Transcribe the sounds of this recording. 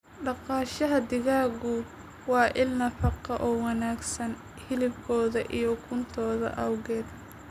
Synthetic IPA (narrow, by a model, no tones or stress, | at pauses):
ɖɑqɑːʃɐɦɐd̪ɪɣaːɣʊ | wɑːʔɪlnɐfɑqɐʔɔːwɑnaːɡsɐn | hɪlɪbkʰɔːðɐʔijɔkʰʊnt̪ʰɔːðɐ̰ʔɐwɣɛːd̪